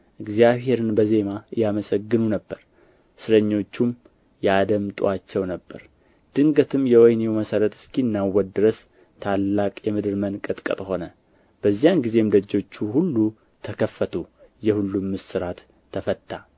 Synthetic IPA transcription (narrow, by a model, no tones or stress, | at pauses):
ʔɨɡzijaβɦe̞ɾɨnbəze̞majaməsəɡːɨnunəbːəɾ | sɨɾəɲːo̞t͡ʃːum | jad̪əmt̪ʼṵat͡ʃːɛwnəbːəɾ | d̪̥ɨŋɡət̪ʰɨmjɛwɔjnewməsəɾət̪ɨ̥skinːawɔd̪ɨɾəs | t̪ʰalːakʼjɛmɨd̪ɨɾmənkʼɨt̪ʼkʼə̰t̪ʼho̞nə | b̥əzːijanɡize̞md̪əd͡ʒːo̞t͡ʃːuhulːu | t̪ʰəkʰəfət̪ʰujɛhulːumːɨsɨɾat̪ʰː | əfət̪ʰːa